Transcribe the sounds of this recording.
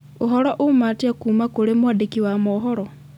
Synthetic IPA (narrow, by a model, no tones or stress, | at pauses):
uɦoloʔumatjakumakulemwadikiwamoɦoɾo